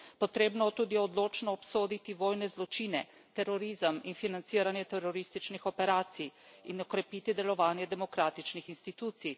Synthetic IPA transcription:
pɔt̪ɾeːbnɔt̪uːd̪ijɛɔd̪loːt͡ʃnɔːpsoːd̪it̪iʋoːjnɛzlɔt͡ʃiːnɛ | t̪ɛɾɔɾiːzəminfinant̪siːɾanjɛt̪ɛɾɔɾiːst̪it͡ʃnixɔpɛɾaːt̪sij | inɔkɾɛpiːt̪id̪ɛlɔʋaːnjɛd̪ɛmɔkɾaːt̪it͡ʃnixinst̪it̪uːt̪sij

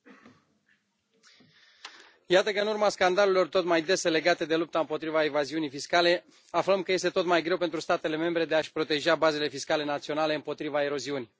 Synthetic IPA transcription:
jat̪əkəɨnurmaskand̪alelo̞rt̪o̞t̪majd̪e̞se̞le̞ɡat̪e̞d̪e̞lup̚t̪aɨmpo̞t̪ɾivaevaziunijfiskale̞ | afləmkəje̞st̪e̞t̪o̞t̪majɡɾe̞wpe̞nt̪ɾust̪at̪e̞le̞me̞mbɾe̞d̪e̞aʃpɾo̞t̪e̞ʒabaze̞le̞fiskale̞nat̪sio̞nale̞ɨmpo̞t̪ɾivae̞ɾo̞ziuni

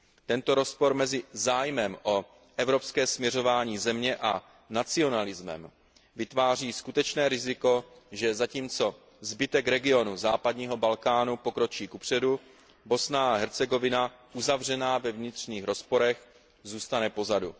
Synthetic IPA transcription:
t̪ɛnt̪o̞ɾo̞spo̞ɾmɛzɪzaːjmɛmʔo̞ | ʔɛvɾo̞pskɛːsmɲɛro̞vaːɲiːzɛmɲɛʔa | nat͡sɪo̞nalɪzmɛ̰m | vɪt̪vaːr̝iːskut̪ɛt͡ʃnɛːɾɪzɪko̞ʒɛzaciːmt͡so̞ | zbɪt̪ɛkɾɛɡɪo̞nuzaːpadɲiːɦo̞balkaːnupo̞kɾo̞t͡ʃiːkupr̝̥ɛdu | bo̞snaaɦɛɾt͡sɛɡo̞vɪnaʔuzavr̝ɛnaːvɛvɲɪt̪r̝̥ɲiːxɾo̞spo̞ɾɛx | zuːst̪anɛpo̞zadu

